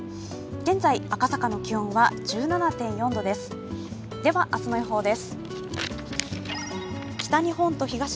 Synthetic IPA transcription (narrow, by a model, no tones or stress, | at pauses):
ɡ̥ẽ̞nd͡zaiakasakano̞kʲiõɰ̃βaʑɨːnanat̪ẽ̞ɰ̃jõ̞nd̪o̞d̪e̞sɨ̥ | d̪e̞βaʔat͡sɨnoiɦo̞ːd̪e̞sɨ̥ | kʲi̥t̪aɲ̟ihõ̞nt̪o̞çiɡaɕ